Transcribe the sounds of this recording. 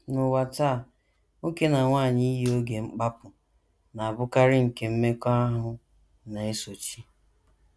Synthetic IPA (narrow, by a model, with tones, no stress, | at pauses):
nʊ˨wa˨ta˦˨ | o˦ke˦na˨ŋʷaː˦˨ɲɪ˦i˦ɦi˦o˦ɡe˨ŋ͡m̩˦k͡pa˦pʊ˨ | na˨a˨bʊ˦ka˦ɾɪ˦ŋ̩˨ke˨m̩˦me˦ka˦ɦʊ˦ | na˨e˦so˨t͡ʃi˦